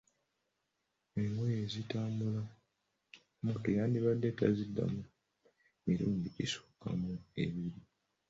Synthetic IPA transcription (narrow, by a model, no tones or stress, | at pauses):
eŋwejezitaːmbula | mutojaːndiβadːetazidːa̰mu | miɾuːndiisu̥ːka̰mue̞̰βiɾi